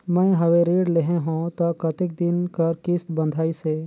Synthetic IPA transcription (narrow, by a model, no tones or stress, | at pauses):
mɛ̃ːɦɐʋẽɾeːɽleɦẽɦũt̪ɐkɐt̪ɪk̚d̪ɪnkɐɾkɪst̪bə̃nd̪ʱaːise